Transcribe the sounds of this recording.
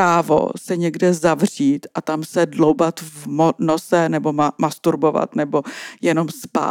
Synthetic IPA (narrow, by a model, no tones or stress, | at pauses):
aːvo̞̰sɛɲɛɡdɛzavr̝iːt̪ʔat̪amsɛdlowbat̪vmonosɛnɛbo̞amast̪uɾbo̞va̰t̪nɛbo̞jɛno̞mspa̰ː